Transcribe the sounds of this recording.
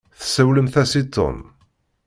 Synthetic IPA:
θsæwləmθæsit̪ːɔ̰m

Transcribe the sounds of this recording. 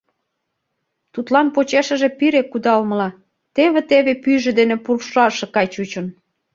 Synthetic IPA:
t̪ut̪lɑnpot͡ɕeʃə̆ʒĕpiɾekːud̪ɑlmə̆lɑ | t̪eβĕt̪eβepyʒĕd̪enĕpurʃɑʃĕkɑjt͡ɕut͡ɕə̆n

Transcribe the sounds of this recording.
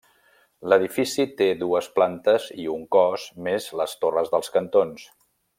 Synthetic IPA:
ləð̞ifisit̪eðuəsplant̪əziuŋkɔzmezləst̪orəzðəlˠskənt̪ons

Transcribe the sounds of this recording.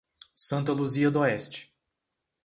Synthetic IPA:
sɐ̃nt̪ɐluziɐd̪ɔɛst͡ʃɪ̥

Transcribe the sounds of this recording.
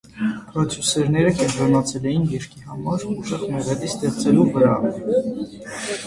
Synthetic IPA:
pɾɑt͡sʰjusɛɾnɛɾəkɛnt̪ɾɔnɑt͡sʰɛlɛjinɡiɾkʰihɑmɑɾuʃəχmɛʁɛlist̪ɛχt͡sɛluvəɾɑ

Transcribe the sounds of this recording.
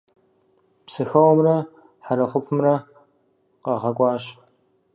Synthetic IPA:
psɨxɐwmrɐ | ħaɾɐχʷʊpʰɨmrɐ | qɐʁɐkʷʼɑːɕ

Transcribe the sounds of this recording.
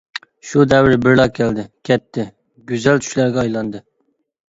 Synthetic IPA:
ʃud̪ɛwɪɾbɪɾlˠɑkʲʰæld̪ɪkʲʰɛt̪ʰːɪ | ɡʲyzælt̪ʰy̥ʃlæɾɡʲɛɑjlˠɑnd̪ɨ

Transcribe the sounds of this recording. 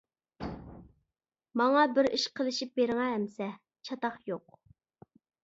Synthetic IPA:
mɑŋɑbɪɾiʃqʰəlˠɪʃip̚beɾɪŋɛɦːmsɛ | t͡ʃʰɑt̪ɑχjoq

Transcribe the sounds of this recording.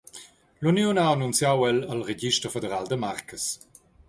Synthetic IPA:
lunjonaanunt͡sjawɛləlʁeɡiʃtəʁfedəʁaːldəmaʁkʰəs

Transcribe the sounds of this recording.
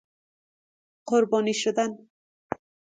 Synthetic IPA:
qʊɾbɔːniʃod̪an

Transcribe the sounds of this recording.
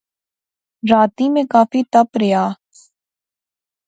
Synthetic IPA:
ɾaːt̪iːmẽkaːfiːt̪əpɾɪjaː

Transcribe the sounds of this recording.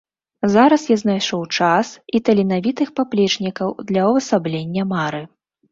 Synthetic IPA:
zaɾɐsjaznajʂɔwt͡ʂasit̪ɐlʲinavʲit̪ɨxpaplʲɛt͡ʂnʲikɐwd̪lʲɐwvɐsablʲenʲːɐmaɾɨ

